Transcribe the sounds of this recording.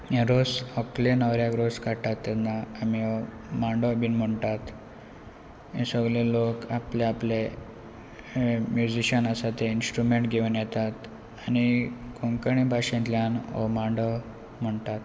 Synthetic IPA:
eɾosɔklenəʋɾjakɾoskaʈat̪ːɛt̪naːmiɔ | mãɳɖəbinm̤əɳʈat̪ | ẽsəɡlelokapleaple | mjud͡ʑiɕənasat̪einsʈɾumeɳʈɡʱeʋənjɛt̪at̪ | añikoŋkəɳebʱaɕẽnt̪ljanɔ̰mãɳɖə | m̤əɳt̪at̪

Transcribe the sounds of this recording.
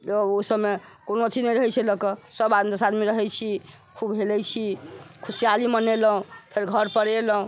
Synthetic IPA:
əosəbmekonot̪ʰinɛjɾəɦɛjt͡ʃʰɛləkəsəbad̪md̪əsad̪miɾəɦɛjt͡ʃʰi | kʰubɦelɛjt͡ʃʰikʰusijaliməneləɦũpʰeɾɡʱəɾpəɽeləɦũ

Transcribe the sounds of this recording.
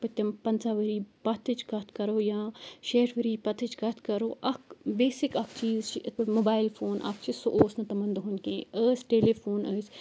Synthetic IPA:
pɐt̪ʲːɐmpɐnt͡saːʋəɾiːpɐt̪ʰɨt͡ʃɡɐt̪ʰkɐɾoːjãːʃeːʈʋəɾiːpɐt̪ʰɨt͡ʃɡɐt̪ʰkɐɾoːʔɐkbeːsɪkɐkʰt͡ʃiːzt͡ʃʰiʔmobaːɪlfʰoːnʔɐ̰pt͡ʃʰisoʔoːsnɐt̪ɐmɐnd̪ɦʊnkʲẽːəːsʈeːleːfʰoːnəːs

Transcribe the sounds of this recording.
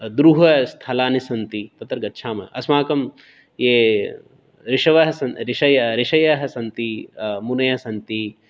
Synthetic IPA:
d̪ɾuɦɐst̪ʰalaːnisɐnt̪it̪ɐt̪ɐɾɡɐtːʃʰaːmɐ̰ʔɐsmaːkɐm | jeː | ɾiʃɐʋɐɦɐsɐnɾiʃɐjɐɾiʃɐjɐɦɐsɐnt̪imunɐjɐɐsɐnt̪i

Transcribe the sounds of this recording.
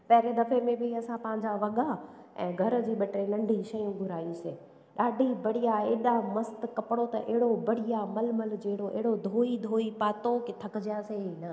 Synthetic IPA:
pɐɦɪɾenɐfemẽbɪɐsãpɐ̃ɦɪ̃ɲ̆d͡ʑaʋɐɠaɛ̰̃ːɡʱɐɾ̆d͡ʑiːɓɐʈɾelɐ̃ɳɖʱiʃɐjũɡʱʊɾaːiũseː | ɗaːɖʱibɐɽ̤ijaeːɗamɐst̪kɐpɪɽot̪ɐʔeɦɪɽobɐɽ̤ijamɐlməld͡ʑeɦɪɽoʔḛɦɪɽod̪ʱoːid̪ʱoːipaːt̪oket̪ʰɐkɪd͡ʑjaseinɐ

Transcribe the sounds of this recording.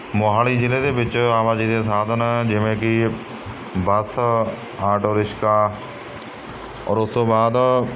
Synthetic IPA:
moːɦaːliːd͡ʒɪleːd̪eːbɪt͡ʃaːʋaːd͡ʒiːd̪eːsaːd̪ʱənd͡ʒɪʋẽːkɪ | bəs | aːʈoːɾɪʃkaː | ɔ̰ːɾʊst̪õːbaːd̪

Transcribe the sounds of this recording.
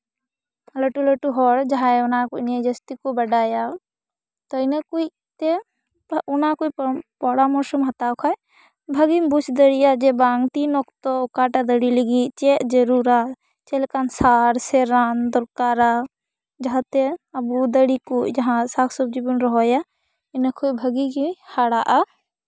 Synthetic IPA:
ləʈuləʈuɦɔɾd͡ʒɦãeʊnakonjad͡ʒəst̪ikobəɖaːja | t̪ɔinekui | t̪e | unakoippɔɽamɔɾsumɦɐt̪akʰaj | bʱɐɡimbut͡ʃʰd̪əɽijad͡ʒebaŋɡt̪inɔkt̪ɔkaːʈad̪əɽiləɡit͡ʃed͡ʒəɾuɾa | t͡ʃelkansaɾseɾand̪ɔɾkaːɾa | d͡ʒɐɦãt̪eɐbud̪əɽikod͡ʒɐɦãsakʰsɔbd͡ʒibənɾɔɦɔja | inəkʰobʱəɡikihaɽaʔa

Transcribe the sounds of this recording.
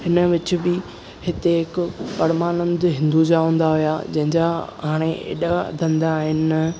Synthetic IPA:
hɪnə̆ʋɪt͡ɕʊ̆bɪ | hɪt̪eɦɪkʊpɐɾmaːnə̃nd̪ɦɪ̃nd̪ud͡ʑaɦũːn̆d̪aɦʊjad͡ʑɐ̃ɦɪ̃ɲd͡ʑaɦaːɽ̃eḛːɗad̪ʱɐ̃nd̪aːɦɪnɪ

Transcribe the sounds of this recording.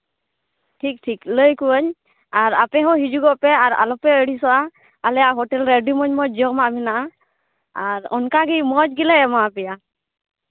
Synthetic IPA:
ʈʰik̚ʈʰikləjkuəɲ | aɹapɛɦɔ̃ɦid͡ʒuɡɔpɛaɹa̰lɔpɛəɽisɔa | alɛaɦɔʈɛlɾeɖumɔɲmɔd͡ʒɔmaminaʔa | aɹɔ̰nkaɡimɔd͡ʒɡilɛɛmaapɛja

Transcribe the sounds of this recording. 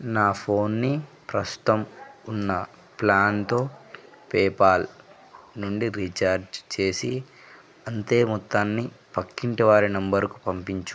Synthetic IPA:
naːpʰo̞ːnːi | pɾɐst̪u̥t̪ɐmunːɐ | plaːnt̪o̞ː | pɛːpaːl | nuɳɖiɾit͡ʃaːɾd͡ʒt͡ʃe̞ːsi | ɐnt̪e̞ːmut̪ːaːnːipɐkːiɳʈɐʋaːɾinɐmbɐɾku̥pɐmpiɲt͡ʃu

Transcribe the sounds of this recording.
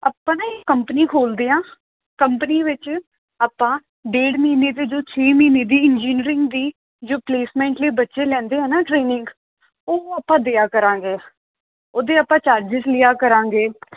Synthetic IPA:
aːpːãːnaɪkəmpəniːkʰoːld̪eːãː | kəmpəniːʋɪt͡ʃ | aːpːãː | ɖeːɽmiːneːt̪eːd͡ʒoːt͡ʃʰeːmiːneːd̪iːɪnd͡ʒiːnɾɪ̃ŋɡd̪iː | d͡ʒoːpleːsmɛ̃ːɳʈleːbətːʃeːlɛ̃ːnd̪eːɦɛːnaːʈɾeːnɪŋɡ | oːaːpːãːd̪eːaːkəɾãːŋɡeː | oːd̪eːaːpãːt͡ʃaːɾd͡ʒɪd͡ʒlɪjaːkəɾãːŋɡeː

